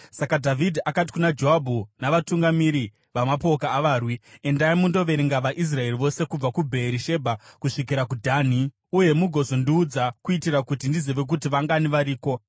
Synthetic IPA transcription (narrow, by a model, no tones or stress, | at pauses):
sakadʱavʱidʱiakat̬i̥kunad͡ʒoɦabʱunaʋatuŋɡamiɾi | ʋamapo̞kaːʋaːrwie̞ndaimundo̞ʋe̞ɾiŋɡaʋaʔis̬rae̞riʋo̞se̞kub͡vakubʱe̞ɾiʃe̞bʱakuʂik̬iɾakudʱan̤i | uje̞muɡʱo̞zo̞ndiːd͡zakuitiɾakutindizeʋe̞k̬utiʋaŋɡaniʋaɾiːko̞